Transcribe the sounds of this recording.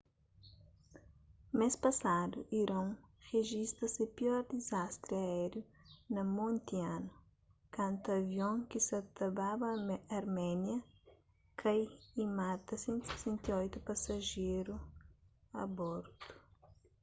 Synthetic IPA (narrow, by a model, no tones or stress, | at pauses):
mespɐsad̪ṵʔiɾõŋʁeʒist̪ɐsɪpiɔɾd̪izast̪ɾɪɐɛɾjunɐmõnt̪ianʊ | kãnt̪ɐvjõŋkɪsɐt̪ɐbabɐɐɾmɛnjɐ | kʰajimat̪ɐsẽnt̪se̥sɛ̃nt̪iɔjt̪upɐsɐʒeɾu | ɐ̰bɔɾt̪u̥